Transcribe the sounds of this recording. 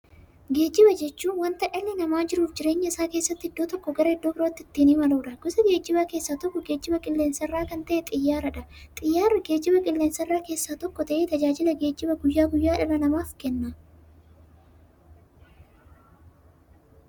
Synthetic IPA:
ɡe̞ːd͡ʒːɪbɐd͡ʒɛt͡ʃːuːnwɐnt̪ɐʔɐlːɪnɐmaːd͡ʒɪɾuːfd͡ʒɪɾe̞ːɲːɐɪsaːke̞ːsːɐt̪ːɪɪd̪ːoːt̪ɔkːɔɡɐɾɐɪd̪ːo̞ːbɪɾo̞ːt̪ːɪt̪ːiːniːmɐloːᶑɐɡɔsɐɡe̞ːd͡ʒːɪbakeːsːaːt̪ɔkːɔɡe̞ːd͡ʒːɪbɐkʼɪlːeːnsɐrːaːkɐnt̪ɐʔɛt̪ʼɪjːaːɾɐᶑɐt̪ʼɪjːaːɾɐɡe̞ːd͡ʒːɪbɐkʼɪlːeːnsɐrːaːke̞ːsːaːt̪ɔkːɔt̪ɐʔeːt̪ɐd͡ʒaːd͡ʒɪlɐɡeːd͡ʒːɪbɐɡʊjːaːɡʊjːaːᶑɐnɐnɐmaːfkɛnːɐ

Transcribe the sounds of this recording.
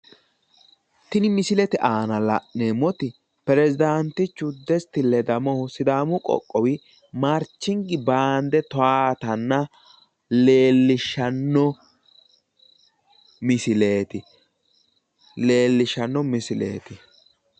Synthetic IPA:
t̪ɪnɪmɪsɪlɛt̪ɛʔaːnɐlɐʔnemɔt̪ɪ | pɛɾɛzɪd̪ant̪ɪt͡ʃːʊd̪ɛst̪ɪlːɛd̪ɐmɔhʊsɪd̪aːmʊkʼɔ̰kʼːɔwɪ | maɾt͡ʃːɪŋɡɪbaːnd̪ɛt̪ɔaːt̪ɐnːɐ | leːlːɪʃːɐnːɔ | mɪsɪle̞ːt̪ɪ | le̞ːlːɪʃɐnːɔmɪsɪlḛːt̪ɪ

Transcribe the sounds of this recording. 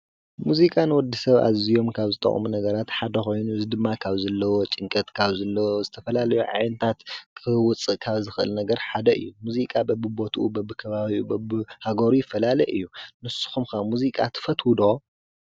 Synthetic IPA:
muzikʼanwɔd̪ːisɐβa̰zijo̞mkʰaβzɨt̪ʼɐ̰χʼmunɐɡɐɾat̪ħad̪ɐxo̞jnuɨzid̪ɨmːakʰaβzɐlːɐwot͡ʃʼɪŋkʼɐt̪kʰaβzɐlːɐwozɨt̪ʰɐfɐlalɐjuʕa̰jnɐt̪ʰat̪kʰɨwʊt͡sʼːɨʔkʰaβzɨxɨʔɨ̰lnɐɡɐɾħad̪ɐʔɨ̰jːumuzikʼabɐbɨbo̞t̪ʰuʔṵbɐbɨkʰɐβaβiubɐbɨhaɡoɾujɪfːɐlalɐjʔɨ̰jːunɨsːu̥xumkamuzikʼat̪ʰɨ̥fɐt̪wud̪o

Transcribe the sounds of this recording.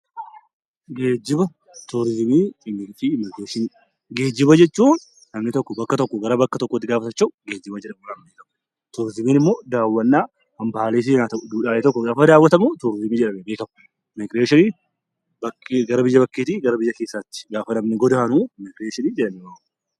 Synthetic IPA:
ɡe̞ːd͡ʒːɪbɐ | t̪uɾɪzɪmiːɪmːɪfimɪkɾeːʃɪn | ɡe̞ːd͡ʒːɪbɐd͡ʒɛt͡ʃːuːnː | ɐmnɪt̪ɔkːɔbɐkːɐt̪ɔkːɔɡɐɾɐbɐkːɐt̪ɔkːɔt̪ːɪɡaːfɐt̪ɐt͡ʃːɐɡeːd͡ʒːɪbɐd͡ʒɛᶑɐmunɐmbeːkɐmʊ | t̪ʊɾɪzɪmiːnɪmːoːd̪aːwːɐnːaː | hɐmbɐaleːs̬ɪnaːt̪ɐd̪uːᶑaːʔeːt̪ɔkːɔɡaːfɐd̪aːwːɐt̪ɐmʊt̪uɾɪzɪmiːd͡ʒɛᶑɐmɛbeːkɐm | mɪɡɾeːʃɪniː | bɐkɡɐɾɐbɪjːɐbɐkːeːt̪iːɡɐɾɐbɪjːɐke̞ːsːaːt̪ːɪ̥ɡaːfɐnɐmnɪɡɔd̪aɐnuːmɪɡɾeːʃɪniːd͡ʒɛᶑɐmɛwaːk

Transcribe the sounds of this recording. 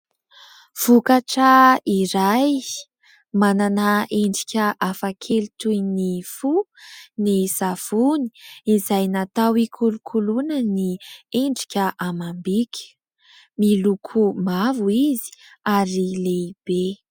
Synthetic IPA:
v̥ukaʈ͡ʂəiɾaj | mananaeɳɖ͡ʐi̥kʲəʔafakʰelit̪ujnifunizav̥uni̥izajnat̪awikʰulukʰulunənieɳɖ͡ʐi̥kʲəʔamambikʲə̥ | milukʰumavuizi̥aɾileib̥e

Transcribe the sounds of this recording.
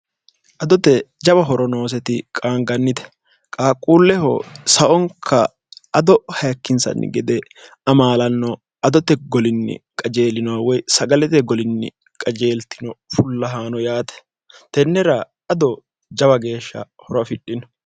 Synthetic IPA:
ʔɐd̪ɔt̪ɛd͡ʒɐbɐɦɔɾɔno̞ːs̬ɛt̪ɪkʼaːŋɡɐnːɪd̪ɛ̥ | kʼaːkʼːuːlːɛhɔ̰sɐʔɔŋkʰːɐː | d̪ɔhɐjɐkːɪnsɐ̰nːɪ̰ɡɛd̪ɛ | ɐmaːlɐnːɔ | ɐd̪ɔt̪ɛɡɔlɪnːɪ̰kʼɐd͡ʒe̞ːlɪnɔwawɔjsɐɡɐlɛt̪ɛɡɔlɪnːɪ̰ | kʼɐd͡ʒe̞ːlt̪ɪnɔfʊlːɐɦaːnɔjaːt̪ɛ̥ | t̪ɛnːɛɾɐ | ɐd̪ɔ | d͡ʒɐbɐɡe̞ːʃːɐ̰hɔɾɐfɪɗːɪnɔ

